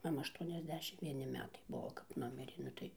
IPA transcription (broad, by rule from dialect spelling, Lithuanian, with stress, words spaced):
mɐˈmɐ ɐʃˌtuɔnʲɛzʲˈdʲæːʃʲɪmt ʋʲiɛˈnʲɪ ˈmʲæːtɐɪ ˈbuɔ kɐp ˈnʊmʲɪrʲeː ˈnʊ tɐɪ